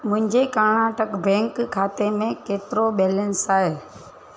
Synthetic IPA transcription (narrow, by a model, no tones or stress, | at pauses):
mʊ̃ɦɪ̃ɲd͡ʑekaːnaːʈəkbɛ̃ːŋkkʰːaːt̪emẽkeːt̪ɪɾoɓeːlənsaːɦeː